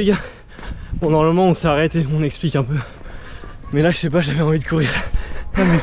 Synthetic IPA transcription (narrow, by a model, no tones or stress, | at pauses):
eɡa | pɑ̃d̪ɑ̃əmɔmɑ̃ɔ̃sɛaʁɛt̪eɔ̃nɛksplikɛ̃pø | mɛlaʒəʃɛp̬aʒavɛɑ̃vid̪əkuʁiʁ | mɛ